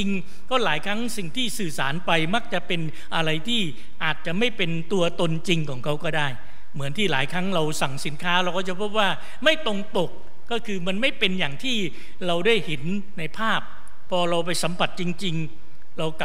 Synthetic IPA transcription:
i˧ŋ | kɔː˥˩laː˩˦jkʰɾa˦˥ŋsi˨˩ŋt̪ʰiː˥˩sɯː˨˩saː˩˦npa˧jma˦˥˩k̚t͡ɕa˨˩ʔpe˧n | ʔa˧ɾa˧jt̪ʰiː˥˩ | ʔaː˨˩t̪̚t͡ɕa˨˩ʔma˥˩jpe˧nt̪u˧ɐt̪o˧nt͡ɕi˧ŋkʰɔː˩˦ŋkʰa˦˥wkɔː˥˩daː˥˩j | mɯ˩˦ənt̪ʰiː˥˩laː˩˦jkʰɾa˦˥ŋɾa˧wsa˨˩ŋsi˩˦nkʰaː˦˥ɾa˧wkʰɔ˥˩t͡ɕa˨˩pʰo˦˥p̚waː˥˩ | ma˥˩jt̪o˧ŋt̪o˨˩k̚ː | ɔː˥˩kʰɯː˧ma˧nma˥˩jpe˧njaː˨˩ŋt̪ʰiː˥˩ | ɾa˧wdaː˥˩jhe˩˦nː | a˧jpʰaː˥˩pʰː | ɔː˧ɾa˧wp̬a˧jsa˩˦mpʰa˨˩t̪̚t͡ɕi˧ŋt͡ɕi˧ŋ | ɾa˧wka˨˩

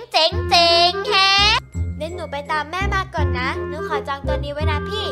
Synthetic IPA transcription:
t͡ɕi˨˦ŋt͡ɕi˨˧ŋhɛ˦˥ne˦˥t̪̚nuː˨˩˦pa˧jt̪aː˧mːɛː˥˩maː˧˩kːɔ˨˩nːa˦˥nɯː˨˦˥kʰɔː˨˩˦t͡ɕɔː˧ŋt̪ɯ˧ənːiː˦˥wa˦˥jna˦˥pʰiː˥˩

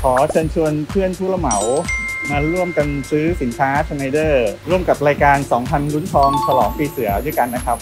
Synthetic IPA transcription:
kʰɔː˩˦t͡ɕʰɤː˧nt͡ɕʰu˧ənpʰɯ˥˩ənt̪ʰuː˥˩la˧ma˩˦wmaː˧ɾu˥˩əmka˧nsɯː˦˥si˩˦nkʰaː˦˥t͡ɕʰa˧nːa˧jdɤː˥˩ɾu˥˩əmka˨˩p̚ɾaː˧jkaː˧nsɔː˩˦ŋpʰa˧nlu˦˥nt̪ʰɔː˧ŋt͡ɕʰa˧lɔː˩˦ŋpiː˧sɯ˩˦ɐdɯ˥˩jka˧nːa˦˥kʰa˦˥p̚

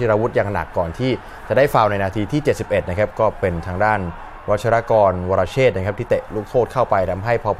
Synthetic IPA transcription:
i˧ɾaː˧wu˦˥t̪̚jaː˧ŋna̰˨˩kːɔː˨˩nt̪ʰiː˥˩ | t͡ɕa˨˩daː˥˩jfa˧wna˧jnaː˧t̪ʰiː˧t̪ʰiː˥˩t͡ɕe˨˩t̪̚si˨˩p̚ʔe˨˩t̪̚na˦˥kʰa˦˥p̚kɔː˥˩pe˧nt̪ʰaː˧ŋdaː˥˩n | wa˦˥t̪̚t͡ɕʰa˧ɾa˦˥kɔː˧nwaː˧ɾaː˧t͡ɕʰeː˥˩t̪̚na˦kʰa˦p̚t̪ʰiː˥˩t̪e˨˩luː˥˩k̚t̪ʰoː˥˩kʰa˥˩wpa˧jt̪ʰa˧˥mɦa˥˩jpʰɔ˧

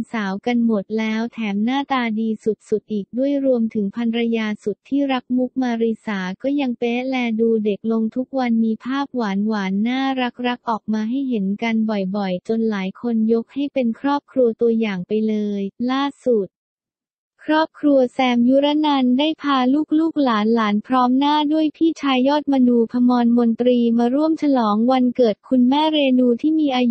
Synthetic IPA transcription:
nsaː˩˦wka˧nmo˨˩t̪̚lɛː˦˥wt̪ʰɛː˩˦mnaː˥˩t̪aː˧diː˧su˨˩t̪̚su˨˩t̪̚ʔiː˨˩k̚du˥˩əjɾu˧əmt̪ʰɯ˩˦ŋpʰa˧nɾa˧jaː˧su˨˩t̪ʰːiː˥˩ɾa˦˥k̚mu˦˥k̚maː˧ɾi˧saː˩˦kɔː˥˩ja˧ŋpeː˦˥lɛː˧duː˧de˨˩k̚lo˧ŋt̪ʰu˦˥k̚wa˧nmiː˧pʰaː˥˩p̚waː˩˦nwaː˩˦nːaː˥˩ɾa˦˥k̚ɾa˦˥k̚ʔɔː˨˩k̚maː˧ɦa˥˩jɦe˩˦nka˧nbɔ˨˩jbɔ˨˩jt͡ɕo˧nlaː˩˦jkʰo˧njo˦˥k̚ha˥˩jpe˧nkʰɾɔː˥˩p̚kʰɾu˧ɐt̪u˧ɐjaː˨˩ŋpa˧jlɤː˧jlaː˥˩su˨˩t̪̚ | kʰɾɔː˥˩p̚kʰɾu˧ɐsɛː˧mju˦˥ɾa˦˥na˧ndaː˥˩jpʰaː˧luː˥˩k̚luː˥˩k̚laː˩˦nlaː˩˦npʰɾɔː˦˥mnaː˥˩du˥˩əjp̪ʰiː˥˩t͡ɕʰaː˧jːɔː˥˩t̪̚ma˧nuː˧pʰa˧mɔː˧nmo˧nt̪ɾiː˧maː˧ɾu˥˩əmt͡ɕʰa˧lɔː˩˦ŋwa˧nkɤː˨˩t̪̚kʰu˧nmɛː˥˩ɾeː˧nuː˧t̪ʰiː˥˩miː˧ʔaː˧j

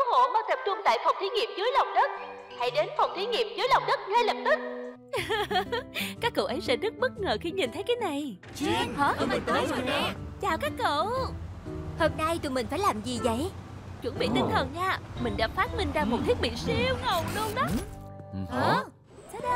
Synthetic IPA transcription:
kɨ˨˦ho̰˧˨maː˨˦t̪ə˨˩p̚t͡ɕʊ˧ŋ͡mt̪a̰ː˧˨jfə˨˩wŋ͡mt̪ʰi˨˦ŋḭ˨˩əp̚zɨ˨˦jlə˨˩wŋ͡mɗə˦˥t̚ | ha̰˧˩jɗe˨˦nfə˨˩wŋ͡mt̪i˨˦ŋi˨˩əp̚zɨ˨˦jlə˨˩wŋ͡mɗə˦˥t̚ŋa˧lə˨˩p̚t̪ɨ˦˥k̚ | kaː˦˥kːə̰˧˨wʔə˨˦jsɛ̰˧˥zə˦˥t̚ɓə˦˥t̚ŋəː˨˩xi˧ɲi˨˩nt̪ʰə˨˦jkaː˨˦jna˨˩j | ht̪ə˨˦˧t͡ɕaː˧˨˩kaː˦˥kːə̰˧˨ | ho˧mna˧jt̪u˨˩mï˨˩ŋ̟faː˧˥˩laː˨˩mzi˨˩zə̰˧˨j | t͡ɕwə˧˩nɓḭ˧˨t̪ï˨˦ŋ̟t̪ʰə˨˩nɲaː˧mï˨˩ŋ̟ɗa̰ː˧˥faː˦˥t̚mï˧ŋ̟zaː˧mo˨˩t̚t̪ʰi˦˥ət̚ɓḭ˧˨si˧əwŋə˨˩wŋ͡mlu˧əŋɗɔ˨˦˥ | ʔə˨˩ | sɗ

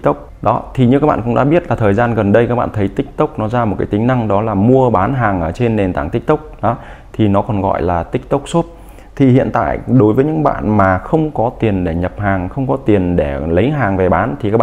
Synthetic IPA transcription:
t̪k͡p̚ɗɔ˨˦t̪ʰi˨˩ɲɨ˧kaː˦˥k̚ɓa̰ː˧˨˩kʊ̰˧˥ŋ͡mɗa̰ː˧˥ɓi˦˥ət̚laː˨˩t̪ʰəː˨˩jzaː˧nɣə˨˩nɗə˧jkaː˦˥ɓa̰ː˧˨nt̪ʰə˨˦jt̪ï˦˥k̟̚t̪ʊ˦˥k͡p̚nɔ˨˦zaː˧m˨˩t̚kaː˨˦t̪ŋ̟na˧ŋɗɔ˨˦laː˨˩mu˧əɓaː˨˦nɦaː˨˩ŋʔəː˧˩t͡ɕe˧nːe˨˩nt̪aː˧˩ŋt̪ï˦˥k̟̚t̪ʊ˦˥k͡p̚ɗɔ˨˦ | t̪ʰi˨˩nɔ˨˦kɔ˨˩nɣɔ̰˧˨jlaː˨˩t̪ï˦˥k̟̚t̪ə˦˥wk͡p̚so˦˥t̚ | t̪ʰi˨˩hḭ˧˨ənt̪a̰ː˧˨jɗo˨˦jvəː˨˦ɲɨ̰˧˥ŋɓa̰ː˧˨nmaː˨˩xə˧wŋ͡mkɔ˨˦t̪i˨˩ənɗe˧˩ɲə˨˩p̚haː˨˩ŋxə˧wŋ͡mkɔ˨˦t̪i˨˩ənɗe˧˩lə˨˦jɦaː˨˩ŋve˨˩ɓaː˨˦nt̪ʰi˨˩ka˦k̚a˧

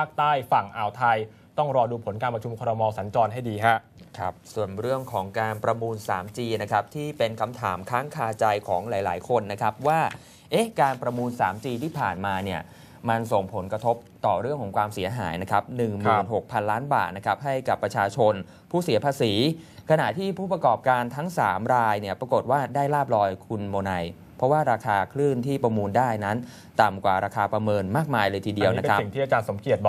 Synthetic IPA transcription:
aː˥˩k̚t̪aː˥˩jfa˨˩ŋʔaː˧˩wt̪ʰa˧j | t̪ɔ˥˩ŋɾɔː˧duː˧pʰo˩˦nkaː˧npɾa˧t͡ɕʰu˧mkʰɔː˧ɾa˧mɔː˧sa˩˦nt͡ɕɔː˧nɦa˥˩jdiː˧kʰa˦˥ʔ | kʰa̰˦˥p̚su˨˩ənɾɯ˥˩əŋkʰɔː˩˦ŋkaː˧npɾa˧muː˧nsaː˩˦mt͡ɕiː˧na˦˥kʰa˦˥p̚t̪ʰiː˥˩pe˧nkʰa˧mt̪ʰaː˩˦mkʰaː˦˥ŋkʰaː˧t͡ɕa˧jkʰɔː˩˦ŋlaː˩˦jlaː˩˦jkʰo˧nːa˦˥kʰa˦˥p̚waː˥˩ | ʔe˦˥kaː˧npɾa˧muː˧nsaː˩˦mt͡ɕiː˧t̪ʰiː˥˩pʰa̰ː˨˩nmaː˧ni˥˩ɐ | ma˧nso˨˩ŋpʰo˩˦nkɾa˧t̪ʰo˦˥p̚t̪ɔː˨˩ɾɯ˥˩əŋkʰɔ˩˦ŋkʰwaː˧msi˩˦ɐɦa̰ː˩˦jna˦˥kʰa˦˥p̚nɯ˨˩ŋmɯː˨˧˨nɦo˨˩k̚pʰa˧nlaː˦˥nba̰ː˨˩t̪̚na˦˥kʰa˦˥p̚ɦa˥˩jka˨˩pːɾa˧t͡ɕʰaː˧t͡ɕʰo˧n | pʰuː˥˩si˨˩˦pʰaː˧siː˩˦kʰa˧na̰˨˩ʔt̪ʰiː˥˩pʰuː˥˩pɾa˧kɔː˨˩p̚kaː˧nt̪ʰa˦˥ŋsaː˩˦mɾaː˧jni˥˩ɐpɾa˧ko˨˩t̪̚waː˥˩daː˥˩jlaː˥˩p̚lɔː˧jkʰu˧nmoː˧na˧j | pʰɾɔ˦˥waː˥˩ɾaː˧kʰaː˧kʰlɯː˥˩nt̪ʰiː˥˩pɾa˧muː˧ndaː˥˩jna˦˥n | t̪a˨˩mkwaː˨˩ɾaː˧kʰaː˧pɾa˧mɤː˧nmaː˥˩k̚maː˧jlɤː˧jt̪ʰiː˧di˧əwna˦ekʰa˦˥˨ŋ̚ʰiː˥˩a˨˧t͡ɕaː˧nso˩˦mki˨˩ət̪̚bɔː˨˩

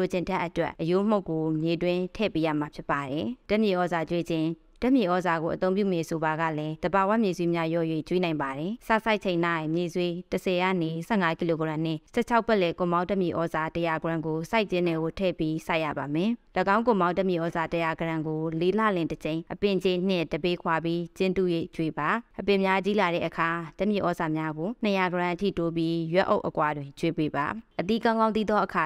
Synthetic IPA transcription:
o˨t͡ɕɪ̃˨ntʰɛ˦ʔːətwɛ̰˦ʔʔəjo˦m̥o˦ʊʔkːo˨mje˨dwɪ̃˦tʰɛ̰˦˨pe˦ja̰˦˨ma˨pʰjɪ˦pːa˨ɾɛ˨tɛ˦˨mji˨ʔɔ˦za˨t͡ɕwe˦d͡ʑɪ̃˨ | tɛ˦ʔmji˨ʔɔ˦za˨ɡo˨ʔət̪õ˦ʊ̃p̬jṵ˦˨mɛ˨so˨ba˨ɡä̰˦˨lɛ˦d̪̥ə˨ba˨wa̰˦˨mje˨zwi˦mja˦jɔ̰˦˨jwḛ˦˨t͡ɕwi˦nã˨ɪ̃mba˨ɾɛ˨sa̰˦˨sa˦ɪʔ̚t͡ɕʰẽ˨ɪ̃na˦˨ɪ̃˨mje˨zwi˦təsʰɛ˨ja̰˦˨ne˨sɛ̰˦˨ŋa˦ki˨lo˨ɡã˨n̥ɪ̰̃˦˨sɛ̰˦˨t͡ɕʰa˦ʊpːɛ˦˨lɛ˨kʊ̃˨mã˦ʊ̃tɛ˦˨mji˨ʔɔ˦za˨tə˨ja˨ɡəɹã˨ŋɡo˨sa˦ɪʔt͡ɕɪ̃˦nɛ˨ɡo˨tʰɛ̰˦˨pji˦sa˦ɪʔja̰˦˨ba˨mɛ̃˨ləɡã˦ʊ̃ŋk̬ʊ̃˨mã˦ʊ̃tə˦˨mjḭ˨ʔɔ˦za˨təja˨ɡəɹã˨ŋɡo˨le˦la̰˦˨lɪ̃˨tət͡ɕẽ˨ɪ̃ʔəpɪ̃˨t͡ɕe˦n̥ɪ̰̃˦˨də˨be˦kʰwa˨bji˦t͡ɕɪ̃˦nt̪ṵ˦˨jḛ˦˨t͡ɕwe˨ba˨ʔəpɪ̃˨mja˦t͡ɕi˦la˨ɾɛ̰˦˨ʔəkʰa˨tə˦mjḭ˦˨ʔɔ˨˦za˨mja˦ɡo˨n̥əja˨ɡəɹã˨ʔtʰḭ˦˨to˦p̬ji˦jwɛ˦ʔo̰˦ʊʔəkwa˨dwɪ̃˨ɲt͡ɕwe˦˨pe˦ba̰˨ʔət̪ḭ˦˨kã˦ʊŋɡã˦nt̪̬i˦d̪ɔ˦ʔəkʰa˨

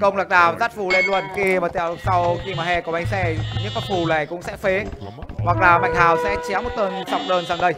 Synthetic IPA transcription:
kə˧wŋ͡mla˨˩k̚ɗaː˨˩wzaː˦˥t̚fu˧˩le˧nlwə˨˧˩nxi˧maː˨˩t̪ḭ˧˨ə˨wsa˧wxi˧maː˨˩hɛ˧kʔa˧jŋ̟sɛ˧ɲɨ˦˥ək̚a˦˥t̚fu˧˩laː˨˩kʊ̰˧˥ŋ͡msɛ̰˧˥fe˨˦wa˨˩k̚laː˨˩ma̰˨jŋ̟h̪aː˨˩wsɛ̰˧˥t͡ɕɛ˨˦wmo˨˩t̚t̪əː˧nsa˧wŋ͡mɗəː˧nzaː˧˩ŋɗə˧j

